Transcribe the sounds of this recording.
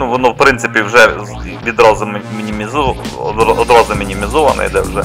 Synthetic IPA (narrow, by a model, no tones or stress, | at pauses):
nuʋɔnɔwpɾɪnt̪sɪpʲiwʒɛ | ʋʲid̪ɾɔzmʲinʲimʲiz | ɔd̪ɾɔzɔmʲinʲimʲizɔʋɐnɐ̰ḭd̪ɛwʒɛ